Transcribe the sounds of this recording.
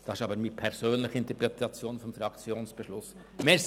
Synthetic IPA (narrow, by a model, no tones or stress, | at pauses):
d̥ɑːɪʃɑːbəɾmiːpʰɛɾsøːnlɪçəɪntəpɾɛt̪ʰɑt͡sjoːnfɔmfɾɑkt͡sjoːnsb̥əʃlʊs | mes